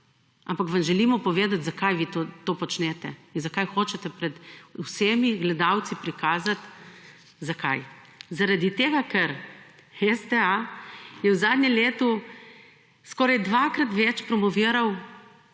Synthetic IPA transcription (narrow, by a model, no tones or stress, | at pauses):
ʔampakʋamʒɛlimɔpɔʋeːd̪at̪zakajʋit̪ot̪oːpɔt͡ʃnɛt̪ɛinzakajxoːt͡ʃɛt̪ɛpɾɛd̪useːmiɡlɛd̪awt̪sipɾikaːzat̪ | zaka̰j | zaɾad̪it̪eːɡakɛɾ | ɛst̪ɛajɛwzaːd̪nʲɛmleːt̪u | skɔːɾajd̪ʋakɾat̪ʋɛt͡ʃpɾɔmɔʋiːɾaw